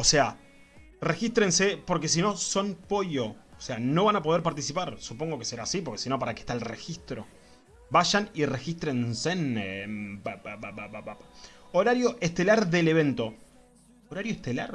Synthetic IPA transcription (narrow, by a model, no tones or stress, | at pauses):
o̞sea | rexist̪ɾensepo̞ɾke̞s̬ino̞so̞npojo̞ːseano̞βanapo̞ð̞eɾpaɾt̪isipaɾsupo̞ŋɡo̞keseɾaːsipo̞ɾke̞sino̞p̬aɾakeht̪alrexist̪ɾo̞ | βaʃanire̞xist̪ɾe̞nsenebababaaabapaoɾaɾjo̞ʔeht̪e̞laɾðeleβ̞e̞nt̪o̞ | oɾaɾjoeht̪ela̰ɾ